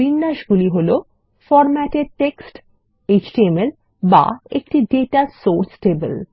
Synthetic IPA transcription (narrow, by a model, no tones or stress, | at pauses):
inːaʃɡuliɦolo | fɔɾmɛʈeɖ̚ʈeksʈ | ed͡ʑʈiemel | ba̰ek̚ʈiɖeʈasoɾsʈebḛl